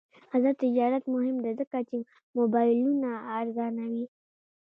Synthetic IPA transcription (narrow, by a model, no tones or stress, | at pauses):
hazɑt̪ɪd͡ʒɑɾat̪mʊhɪmd̪azəkat͡ʃe | mobɑjlunaːɾzɑnawi